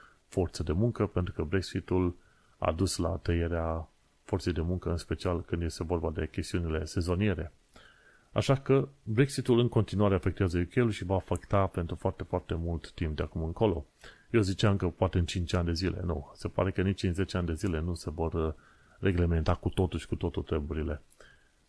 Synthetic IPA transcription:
fort̪səd̪e̞muŋkəpent̪ɾukəbɾe̞ksit̪ul | a̰d̪usla̰t̪əjeɾea | fortse̞jd̪e̞muŋkəɨnspe̞t͡ʃialkɨnd̪je̞st̪e̞vo̞rbad̪e̞kʲe̞st̪iunile̞se̞zo̞nie̞ɾe̞ | a̰ʃakəbɾe̞ksit̪ulɨŋko̞nt̪inuaɾe̞afe̞k̚t̪eazəjukʲe̞julʃivafekt̪ape̞nt̪ɾufoart̪eufoart̪e̞mult̪ːimp̚d̪eakumɨŋko̞lo̞ | jewzit͡ʃaɨŋkəpoat̪e̞ɨnt͡ʃint͡ʃanʲd̪e̞zile̞̰nṵse̞pa̰ɾe̞kənit͡ʃd̪inze̞t͡ʃeand̪e̞zile̞nuse̞vo̞rː | e̞ɡle̞me̞nt̪akut̪o̞t̪uʃʲkut̪ot̪ot̪ɾebuɾile̞

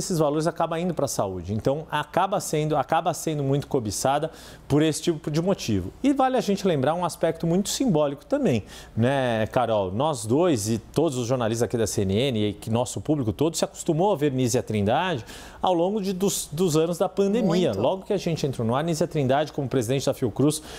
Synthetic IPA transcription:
esɪzvaloɾɪzakabɐ̃ĩnd̪ʊpɾɐsaud͡ʒɪẽnt̪ɐ̃w̃akabɐsẽnd̪ʊakabɐsẽnd̪ʊmũj̃t̪ʊ̥kobisad̪ɐ | poɾesɪ̥t͡ʃipʊpʊd͡ʒɪmot͡ʃivʊɪvalɪaʒẽnt͡ʃɪlẽmbɾaɾũaspɛk̚t̪ʊmũj̃t̪ʊ̥sĩmbɔlikʊ̥t̪ɐ̃mbẽj̃ | nɛɛkaɾɔwnɔzd̪ojzɪt̪od̪ʊzʊzʒoɾnalis̬t̪ɐzakid̪ɐseenɪẽnɪkɪnɔsʊpublikʊt̪od̪ʊsɪaku̥st̪umowɐveɾniziɐt̪ɾĩnd̪ad͡ʒɪ | awlõɡʊd͡ʒɪd̪ʊzd̪ʊzɐ̃nʊzd̪ɐpɐ̃nd̪emiɐlɔɡʊkɪaʒẽnt͡ʃɪẽnt̪ɾonʊaɾniziɐt̪ɾĩnd̪ad͡ʒɪkõmʊpɾezid̪ẽnt͡ʃɪd̪ɐfiokɾus

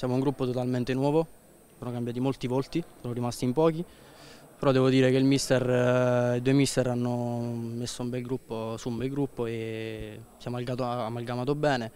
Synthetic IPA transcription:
sjaːmouŋɡɾupːot̪ot̪alment̪enwɔːvo | soːnokambjaːt̪imolt̪ivolt̪isoːnoɾimast̪iːmpɔːk̟i | peɾɔd̪ɛːvod̪iːɾekeilmist̪ɛrid̪uːemist̪ɛɾanːomesːoumbɛlɡɾupːosuːmbɛlɡɾupːoe | sjamalɡaːt̪oamːalɡamaːt̪̬obɛːne

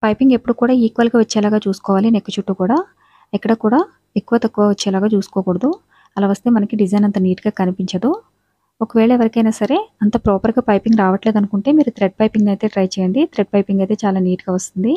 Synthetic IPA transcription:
pɐjpiŋɡe̞pːuɽukuːɽaːiːkʋɐlɡaːʋɐt͡ʃːɛːlaːɡaːt͡ʃuːsu̥kɔːʋaːlinekːut͡ʃuʈːukuːɽaː | ɛkːɐɽɐkuːɽaː | ekːuʋɐt̪ɐkːuʋaʋɐt͡ʃːɛːlaːɡaːt͡ʃuːsu̥kɔːkuɽɐd̪u | ɐlaːʋɐst̪eːmɐnɐkiɖid͡ʒɐjnɐnt̪ɐniːʈiɡaːkɐnipiɲt͡ʃɐd̪u | okɐʋɛːɭɐʋɐɾɐkɐjnaːsɐɾe̞ɐnt̪ɐpɾɔːpɐɾɡaːpɐjpiŋɡɾaːʋɐʈleːd̪ɐnukuɳʈe̞ːmiːɾut̪ɾeɖ̚pɐjpiŋɡnɐjt̪e̞ːʈɾɐjt͡ʃɛːjɐɳɖ̪it̪ɾeɖ̚pɐjpiŋɡɐjt̪e̞ːt͡ʃaːlaːniːʈuɡaːʋɐst̪und̪i

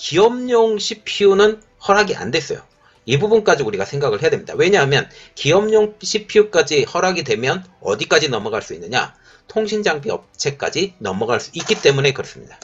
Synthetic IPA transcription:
kiʌmɲoŋɕʰipʰiunɯn | hʌɾɦaɡiʔa̰ndwe̞s͈ʌ̰jo̰ | ibubunk͈ad͡ʑiuɾiɡasʰeŋɡaɡɯɭhejadwemɲid̥a̰we̞ɲaɦamjʌnkiʌmɲoŋɕʰipʰiuk͈ad͡ʑihʌɾɦaɡidwe̞mjʌnʌ̰dik͈ad͡ʑinʌmʌɡaɭs͈uinːɯɲa̰ | tʰoŋɕʰind͡ʑaŋbiʌ̰p̚t͡ɕʰe̞k͈a̰d͡ʑinʌmʌɡaɭs͈u̥it̚k͈it͈e̞mune̞kɯɾʌs͈ɯ̥mɲida

